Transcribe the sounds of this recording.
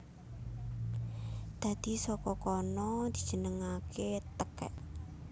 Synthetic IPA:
d̪̥a̤d̪̥i̤sɔkɔkɔnɔd̪̥i̤̥d̥d͡ʒ̥ə̤nəŋakʰet̪əkɛ̰ʔ

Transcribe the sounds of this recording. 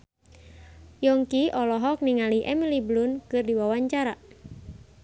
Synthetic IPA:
jɔŋkiɔlɔɦɔk̚niŋaliʔɛmiliblʊnkɨrdiwawaɲt͡ʃaɾa

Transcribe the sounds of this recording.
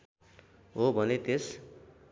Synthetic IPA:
ɦobʱʌnet̪es

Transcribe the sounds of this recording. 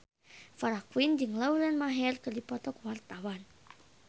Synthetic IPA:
faɾakwind͡ʒɨŋlaulɛnmaɦɛrkɨrdipɔt̪ɔkwart̪awan

